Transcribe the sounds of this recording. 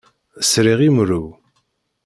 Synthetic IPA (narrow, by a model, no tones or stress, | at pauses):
sɾiʁimɾuw